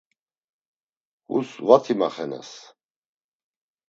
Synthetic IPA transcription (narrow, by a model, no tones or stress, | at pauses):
hṵsvat̪ʰimaχɛnɛ̰s